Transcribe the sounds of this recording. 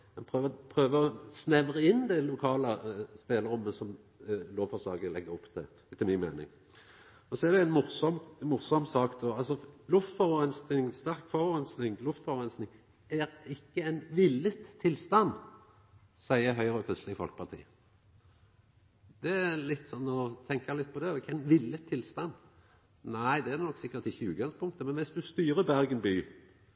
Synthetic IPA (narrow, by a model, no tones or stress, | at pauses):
mɛnpʰʁøːʋpʰʁøːʋəɔsnɛʋʁəɪnːd̪ɛlʊkʰɑːləspeːləɾʊmːəsɔm | loːʋfɔslɑːɡəlɛɡːəɾʊpːt̪ʰɛ | t̪ʰɪlmɪnmḛːnɪ̰ŋ | ɔsɔɛʁd̪ɛænmʊsɔmmʊsɔmsɑːkd̪oːɑlsɔlʊft̪fɔʁəʁɛnsnɪŋst̪æʁkfɔʁəʁɛnsnɪŋlʊft̪fɔʁʁɛnsnɪŋ | æɾɪkːəæɪnʋɪlːət̪ʰːɪlst̪ɑnː | sæɪəɦœʏʁəɔkʰʁʉslɪəfɔ̰lkəpʰɑʁt̪ʰḭː | d̪̥ɛælɪt̪ːsɔnːɔt̪ʰɛŋkɑlɪt̪̚ːpʰɔd̪ɛɛkːæɪnʋɪlːət̪ʰːɪlst̪ɑnː | næɪd̪ɛæd̪ɛnɔkːsɪkːəɾt̪ɪçːəʉːɡɑnspʰʊŋk̚t̪əmɛnʋɪsd̪ʉst̪yːɾəbæʁɡənbyː